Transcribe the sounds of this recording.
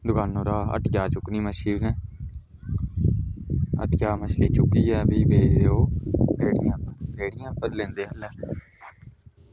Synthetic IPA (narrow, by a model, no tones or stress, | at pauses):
d̪ʊkaːnoːɾaːə̰ʈjaːt͡ʃʊkniːməʃiːbnɛː | ə̰ʈjaːməʃliːt͡ʃʊkiːɛːbiːbeːd͡ʒd̪eːoːɾeːɽɪjãːəɾeːɽɪjãːpəɾlẽːnd̪eːəlɛː